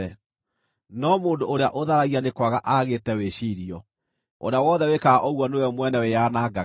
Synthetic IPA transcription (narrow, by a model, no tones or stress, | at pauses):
ɛ | nɔmoːndoʔoɾeaʔoðaɾaɣianekwaɣaʔaɣetɛweʃiɾiɔ | o̰ɾawɔðɛwekaaʔɔɣwɔneeɔmwɛnɛwejaːnaːɡa